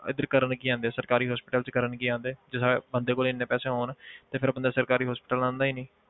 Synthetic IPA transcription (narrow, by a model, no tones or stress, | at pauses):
ɪd̪əɾkəɾənkiːãːnd̪eːsəɾkaːɾiːɦɔːspɪʈəlt͡ʃkəɾəɳkiːãːnd̪eːd͡ʒɪsabənd̪eːkoːlɪnːẽːpɛːseːɦoːnt̪eːpʰɪɾbənd̪aːsəɾkaːɾiːɦɔːspɪʈəlãːnd̪aːiːniː